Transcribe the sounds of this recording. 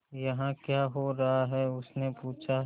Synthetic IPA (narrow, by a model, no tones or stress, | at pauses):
jɐɦãkjaːɦoɾɐɦaɦɛʊsnepuːt͡ʃʰa